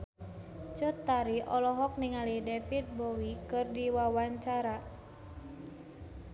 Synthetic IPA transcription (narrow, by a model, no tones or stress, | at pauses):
t͡ʃɔt̪ːaɾiʔɔlɔɦɔk̚niŋalidefit̪̚bowikɨrdiwawaɲt͡ʃaɾa